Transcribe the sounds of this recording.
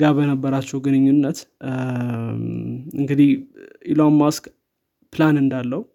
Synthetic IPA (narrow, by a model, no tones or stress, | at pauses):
ɡabənəbːəɾat͡ʃːɛhɡɨnɨɲːunːət̪ | ɨ̰ŋɡɨd̪ihʔilomːask | pɨlanɨnd̪alːəhu